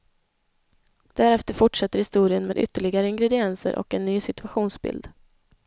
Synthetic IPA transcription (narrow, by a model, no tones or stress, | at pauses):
d̪̥æɾɛft̪əɾfʊʈʂat̪ːəɾhɪst̪uːɾɪənmḛːd̪ʏ̰t̪ːəɭɪɡaɾəɪŋɡɾɛd̪ɪɛnsə̰ɾʔɔ̰kɛnːyːsɪt̪ɵaɧuːnsbɪ̰ld̪